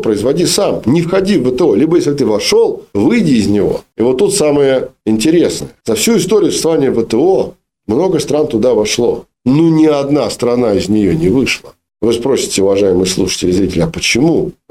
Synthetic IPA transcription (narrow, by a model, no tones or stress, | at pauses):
pɾəɪzvɐdʲisamnʲɪfxɐdʲivːət̪əo̞lʲibəjeslʲɪt̪̬ɨvɐʂo̞lˠvɨjdʲɪːzʲnʲɪvo̞̰ɪvo̞t̪ːut̪saməjəɪnʲtʲɪɾʲe̞snəjəzɐfsʲuɪst̪oɾʲɪjʊsə̥st̪ɐvanʲɪjəvət̪əo | mno̞ɡəst̪ɾant̪ʊd̪avɐʂlˠo̰ | nonʲɪɐd̪nast̪ɾɐnaɪzʲnʲɪjonʲɪvɨʂlˠə | vɨspɾo̞sʲɪ̥tʲɪʊvɐʐajɪmɨjslˠuʂə̥tʲɪlʲɪzɾʲitʲɪlʲɪɐpət͡ɕɪmu